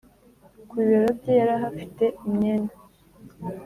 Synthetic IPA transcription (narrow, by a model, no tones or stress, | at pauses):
kwiːβeɾobɟejaɾaɦafite̞imɲeːna